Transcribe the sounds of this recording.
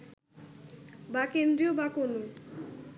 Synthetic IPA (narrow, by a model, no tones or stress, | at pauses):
bakend̪ɾiobakono